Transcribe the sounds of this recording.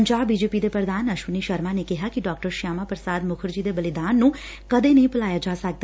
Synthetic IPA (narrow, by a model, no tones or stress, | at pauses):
əɲd͡ʒaːbːiːd͡ʒeːpiːd̪eːpɾəd̪aːnəʃʋəniːʃəɾmaːneːkɪɦaːkɪɖaːk̚ʈəɾʃaːmaːpɾəsaːd̪mʊkʰəɾd͡ʒiːd̪eːbəlɪd̪aːnːũː | kəd̪eːnəĩpəlaːjaːd͡ʒaːsək̚d̪a